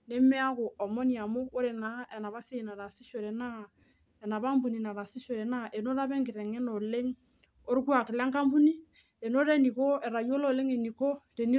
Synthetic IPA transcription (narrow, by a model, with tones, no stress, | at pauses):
ne˦mɛ˦a˦ko˨ɔ˨mɔ˦ni˨a˨mo˦o˦ɾe˨na˦ɛ˨na˨βa˦se˦˨na˨ɾa˨si˦ʃo˨ɾɛ˨na˦ | ɛ˨na˨ba˦mbu˨ni˨na˨ɾa˨si˦ʃo˨ɾe˨na˦ʔe˨no˦ɾa˦bɛ˦ŋɡɪ˨ɾɛ˨ŋe˦no˨le˦ŋ | o˦ɾkwa˨kɪ˨la˦ŋka˦mbu˦ni˦ | e˨no˦ɾe˦ni˨ko˦e˨ɾa˨jo˦lo˦˨le˦ŋe˨ni˨ko˦te˨ni˦